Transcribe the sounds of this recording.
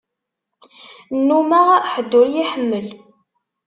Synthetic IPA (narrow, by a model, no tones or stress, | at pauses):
nːumæħəd̪ːʊɾjiħəmːəl